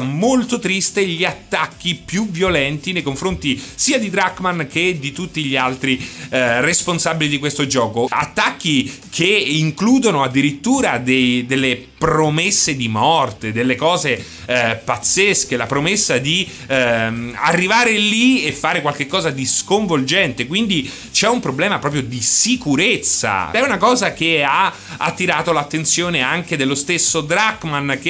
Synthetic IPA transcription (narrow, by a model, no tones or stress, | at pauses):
molt̪ot̪ɾist̪eʎiat̪ːakːipjuvjolɛnt̪inejkoɱfɾont̪isiːad̪id̪ɾakmank̟ed̪it̪ut̪ːiʎːialt̪ɾiresponsabilid̪ikwest̪od͡ʒɔːkoa̰t̪ːak̟ːikʰeːŋkluːd̪onoad̪ːiɾit̪ːuːɾad̪ejd̪elːe | pɾomesːed̪imɔrt̪ed̪elːekɔːze | pat̪sːeskelapɾomesːad̪i | a̰rːivaːɾeliefːaːɾekwalk̟ekːɔːzad̪iskoɱvold͡ʒɛnt̪ekwind̪i | t͡ʃɛumpɾoblɛːmapɾɔːp̬ɾjod̪isikuɾet̪sːa̰ɛunakɔːzakea | a̰t̪ːiɾaːt̪olat̪ːent̪sjoːneaŋked̪elːost̪esːod̪ɾaɡmank̟e